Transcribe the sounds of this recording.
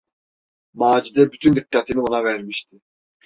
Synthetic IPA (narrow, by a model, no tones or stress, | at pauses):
maːd͡ʒid̪ɛbyt̪ʰynd̪ikːat̪ʰinionɑvæɾmiʃt̪ʰɪ